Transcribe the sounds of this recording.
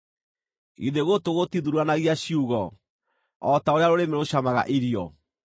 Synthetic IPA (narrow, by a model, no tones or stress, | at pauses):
ḭðeɣotoɣotiðuɾuanaɣiaɕiuɣɔ | ɔtaoɾeaɾoɾemeɾoɕamaɣa̰ʔiɾiɔ